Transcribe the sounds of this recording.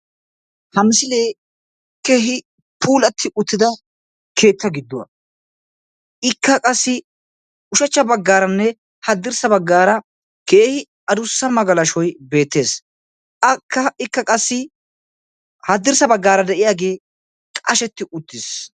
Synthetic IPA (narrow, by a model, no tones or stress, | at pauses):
hɐmsɪleː | kːeːɦɪ | pʰuːlɐt̪ʰːɪʔʊt̪ːɪd̪ɐ | kʰe̞ːt̪ʰːɐɡɪd̪ːʊwɐ̰ | ɪkːɐkʼɐsːɪ | ʊʃɐt͡ʃːɐbɐɡːaːɾɐnːɛ | hɐd̪ːɪɾsɐbɐɡːaːɾɐ | keːhɪ | ɐd̪ʊsːɐmɐɡɐlɐʃɔjbe̞ːt̪ːe̞ːs | ɐkːɐɪkːɐkʼɐsːɪ | hɐd̪ːɪɾsɐbɐɡːaːɾɐd̪ɛʔɪjaːɡe̞ː | kʼɐʃɛt̪ːɪʔʊt̪ːɪs